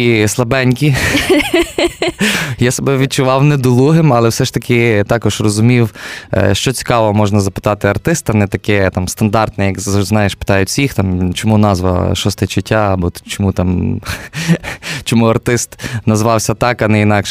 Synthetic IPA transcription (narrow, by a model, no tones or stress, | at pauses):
islˠɐbɛnʲkʲi | jasɐbɛʋʲid̪̚t͡ʃʊʋɑwnɛd̪ɔlˠuɦɪmɐlˠɛwsɛʃt̪ɐkʰɪt̪ɑkɔʒrɔzʊmʲiw̰ʃt͡ʃɔt͡sʲi̥kɑʋɔmɔʒnɐzɐpɪ̥t̪ɑt̪ɪɐrt̪ɪst̪ɐnɛt̪ɐkɛt̪ɑmst̪ɐnd̪ɑrt̪nɛjɐkznɑjeʃpɪ̥t̪ɑjʊtʲsʲixt̪ɑmt͡ʃɔmunɑzʋɐ̰ʃɔst̪ɛt͡ʃɪtʲːaːbɔt͡ʃɔmut̪ɑm | t͡ʃɔmuɐrt̪ɪst̪nɐzʋɑwsʲɐt̪ɑkɐnɛinɑkʃɛ